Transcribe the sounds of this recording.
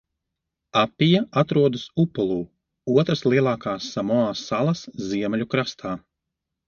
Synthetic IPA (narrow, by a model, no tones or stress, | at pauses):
apːijaʔat̪ɾuɔd̪ɨsupɔlˠuː | uɔt̪ɾaslˠiɛlˠaːkaːsːamɔaːsːalˠɐsziɛmɛlʲukɾast̪ʰaː